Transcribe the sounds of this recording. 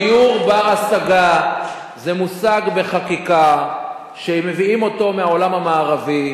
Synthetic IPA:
uʁbaasaɡa | zemusaɡbe̞χakika | ʃeme̞viimo̞to̞meao̞lamamaːʁavi

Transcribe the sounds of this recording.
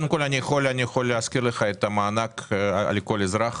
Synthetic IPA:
nkolʲanʲixolʲɪanʲixolʲɪaskʲiɾlˠɨxat̪amaːnakɐ̰lʲɪkolʲɪzɾax

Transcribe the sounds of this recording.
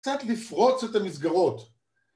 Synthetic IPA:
t͡sat̪lifʁo̞t͡set̪amizɡaʁo̞t̪

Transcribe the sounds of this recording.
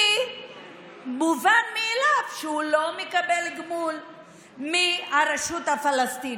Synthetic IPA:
muvanmielavʃeulo̞mekabelɡmul | miaɾeʃut̪afalast̪in

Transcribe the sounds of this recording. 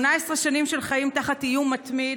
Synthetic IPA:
naesʁeʃanimʃelχaimtaχatijumatmi

